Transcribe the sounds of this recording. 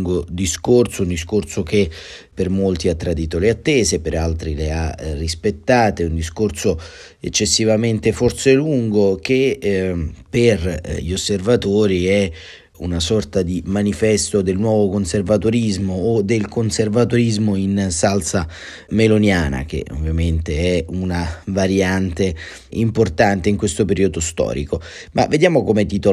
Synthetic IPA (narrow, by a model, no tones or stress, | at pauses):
ŋɡod̪iskorsound̪iskorsok̟e | permolt̪iat̪ːɾad̪iːt̪oleat̪ːeːzepeɾalt̪ɾilearːispet̪ːaːt̪eund̪iskorso | ḛt͡ʃːesːivament̪eforseluŋɡok̟e | perʎosːervat̪oːɾiɛ | ṵnasɔrt̪ad̪imanifɛst̪od̪elnwɔːvokonservat̪oɾizmoːd̪elkonservat̪oɾizmoinsalsa | melonjaːna̰k̟ḛʔo̰vːjament̪eɛunavaɾjant̪e | import̪ant̪eiŋkwest̪opeɾiːod̪ost̪ɔ̰ːɾḭkomʔa̰vːed̪jaːmokomet̪it̪o